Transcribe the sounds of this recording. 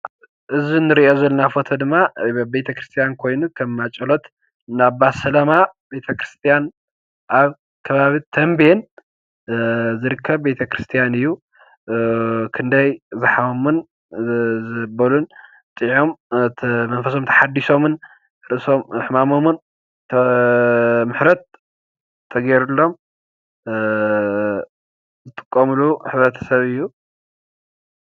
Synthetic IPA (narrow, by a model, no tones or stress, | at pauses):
ʔɨzinɨɾiʔozɐlunafo̞t̪ʰɐd̪ɨmːabe̞t̪ʰɐkɾɨst̪ʰijankʰo̞jnukʰɐmːat͡ʃʼɐlo̞t̪ | naβbasɐlɐmabe̞t̪ʰɐkɾɨst̪ʰijan | ʔaβ | kʰɐβaβit̪ʰɐmben | zɨɾɨkʰːɐβbe̞t̪ʰɐkɾɨst̪ʰijanɨjːu | kʰɨnd̪ɐjzɨħawomɨn | zɨbɐlun | t̪ʼiʕom | mɐnfɐso̞mt̪ʰɐ̥ħad̪ːiʃso̞mɨn | ɾɨʔɨso̞mɨħmamomɨn | t̪ʰɐ | mɨħɾɐt̪̚ʰː | ɐɡeɾulːo̞m | zɨt̪ʼɨ̥kʼːɐmluħɨβɾɐt̪ʰɐ̥sɐβɨjːu